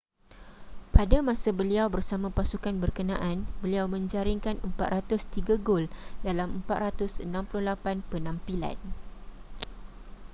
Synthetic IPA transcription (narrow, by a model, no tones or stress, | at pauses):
padamãsabəliawbərsamãpasukanbərkənã̰ʔanbəliawmə̃ɲd͡ʒaɾiŋkanəmpat̪rat̪ʊst̪iɡaɡoldalaməmpat̪rat̪ʊsənãmpulʊhlapanpənãmpila̰n